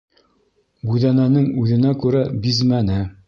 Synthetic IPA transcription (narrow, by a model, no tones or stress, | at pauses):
bʉðænænɘŋʉðɘ̆nækʉɾæbizmænɘ